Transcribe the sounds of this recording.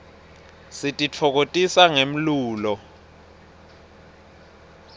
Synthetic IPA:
sitʼit͡fʰɔk̬otʼisaŋem̩luːlɔ

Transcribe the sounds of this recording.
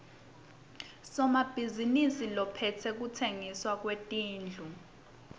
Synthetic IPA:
sɔmab̥ʱizinisilɔpʰɛtʰɛk̬utʰeŋiswak̬wetʼiːnd͡ɮʱu

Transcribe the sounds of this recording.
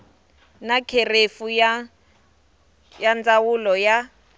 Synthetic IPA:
nakʰerefuj | jand͡zawulɔja

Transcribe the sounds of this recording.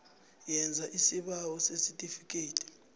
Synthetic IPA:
jɛnd͡zʱaʔisiɓawɔsesitʼifik̬ʼeːtʰʼi̥

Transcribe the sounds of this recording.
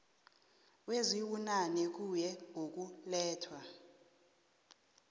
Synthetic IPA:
weziwunanɛk̬ujɛŋok̬ulɛːtʰwa

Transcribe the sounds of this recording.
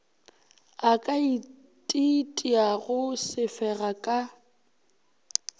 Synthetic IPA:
akʼai | tʼitʼiaɣʊsɪfɛɣakʼa

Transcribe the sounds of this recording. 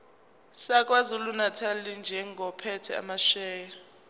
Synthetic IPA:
sak̬ʼwazulunatʰalind͡ʒʱɛŋʱɔpʰɛtʰɛa̰maʃɛːja

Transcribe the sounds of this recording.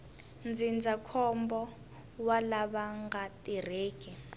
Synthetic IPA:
nd͡zʱind͡zʱakʰɔmbɔ | walaβaŋɡatʼireːkʼɛ

